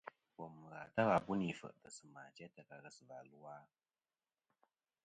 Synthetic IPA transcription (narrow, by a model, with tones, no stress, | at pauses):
wɔ˨mːɨ˨ɣa˨ta˦ɣa˨bu˦ni˨fə̰˨ʔtɨ˨sɨ˨maː˨t͡ʃɛ˦tə˨ka˨ɣə˨sɨ˨va˨lu˦waː˦